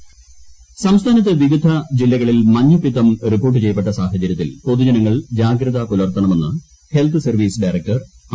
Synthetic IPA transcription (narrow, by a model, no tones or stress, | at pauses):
sɐmst̪ʰaːnɐt̪ːɐʋiʋid̪ʱɐd͡ʑilːɐɣɐɭilmɐɲːupːit̪ːɐmripːo̞ːrʈ̬ːɨt͡ɕe̞jːɐp̬ːeʈːɐsaːɦɐt͡ɕɐɾjɐt̪ːilpo̞ðud͡ʑɐnɐŋːɐɭd͡ʑaːɡɾɐðɐkulɐrt̪ːɐɳɐme̞nːɨ | helt̪ʰɨsɐrʋiːsɨɖɐjrek̚ʈɐr